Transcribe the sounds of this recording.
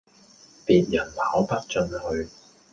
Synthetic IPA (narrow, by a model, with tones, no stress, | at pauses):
piː˨t̚jɐ˨˩nhaː˨˥wpɐ˥t̚t͡ʃɵ˧nhɵ˧ɥ